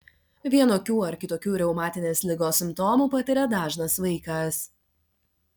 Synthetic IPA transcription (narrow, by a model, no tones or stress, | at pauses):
ʋʲiɛnoːkʲuːɐɾkʲɪt̪oːkʲuːɾʲɛʊmɑːt̪ʲɪnʲeːslʲɪɡoːsʲɪmt̪ɔmuːpɐt̪ʲɪɾʲɛd̪ɑːʒnɐsʋɐɪkɐs